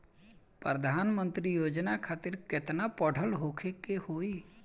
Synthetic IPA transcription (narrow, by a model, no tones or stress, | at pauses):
pɾəd̪ʱaːnmə̃nt̪ɾijoːd͡ʒnakʰaːt̪ɪɾkɪt̪napəɽ̤əlɦoːkʰekehoːi